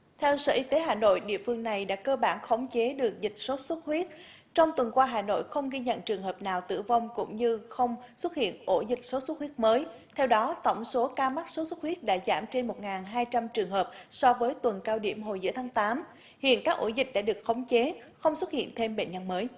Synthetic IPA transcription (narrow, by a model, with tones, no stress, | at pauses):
t̪ʰɛ˧wsə̰ː˧˩ʔi˧t̪e˨˦ɦaː˨˩no̰˧˨jɗḭ˧˨əfɨ˧əŋna˨˩jɗa̰ː˧˥kəː˧ɓaː˧˩nxə˨˦wŋ͡mt͡ɕe˨˦ɗɨ˨˩ək̚zï˨˩k̟̚so˨˦˥swə˦˥t̚hwi˦˥ət̚ | t͡ɕɔ˧wŋ͡mt̪wə˨˩nkwaː˧ɦaː˨˩no̰˧˨jxə˧wŋ͡mɣi˧ɲə̰˧˨nt͡ɕɨ˨˩əŋɦəː˨˩p̚naː˨˩wt̪ɨ̰˧˩va˧wŋ͡mkʊ̰˧˥ŋ͡mɲɨ˧xə˧wŋ͡mswə˦˥t̚hḭ˧˨ənʔo˧˩zï˨˩k̟̚so˨˦swə˦˥t̚hwi˦˥ət̚məː˨˦j | t̪ʰɛ˧wɗɔ˨˦t̪ə̰˧˩wŋ͡mso˨˦kaː˧ma˦˥t̚so˨˦swt̚wi˦˥ət̚ɗa̰ː˧˥za̰ː˧˩mt͡ɕe˧nmo˨˩t̚ŋaː˨˩nɦaː˧jt͡ɕa˧mt͡ɕɨ˨˩əŋɦəː˨˩p̚sɔ˧vəː˨˦jt̪wə˨˩nkaː˧wɗḭ˧˩əmɦo˨˩jzɨ̰˧˥ət̪ʰaː˨˦ŋt̪aː˨˦m | hḭ˧˨ənkaː˦˥k̚ʔo˧˩zï˨˩k̟̚ɗa̰ː˧˥ɗɨ˨˩ək̚xə˨˦wŋ͡mt͡ɕe˨˦xə˧wŋ͡mswə˦˥t̚hḭ˧˨ənt̪ʰe˧mɓḛ˧˨nɲə˧nməː˨˦j